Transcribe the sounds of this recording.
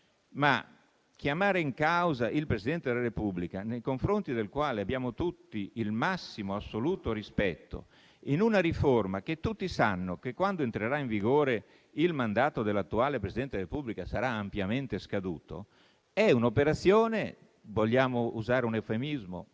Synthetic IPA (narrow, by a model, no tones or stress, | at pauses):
ma̰ | kjamaːɾeiŋkawzaʔilpɾesid̪ɛnt̪ed̪elaɾepublikanejkoɱfɾont̪id̪elkwaːleabjaːmot̪ut̪ːiilmasːimoasːoluːt̪oɾispɛt̪ːo̰ | inunaɾiformak̟et̪ːut̪ːisanːokekwand̪oent̪ɾeɾaiɱviɡoːɾe | ilmand̪aːt̪od̪elːat̪ːuaːlepɾesid̪ɛnt̪ed̪eɾepubːlikasaɾaːmpjament̪eskad̪ṵːt̪o̰ | ɛunopeɾat̪sːjɔːne | voʎːaːmouzaːɾeunefemizmo̰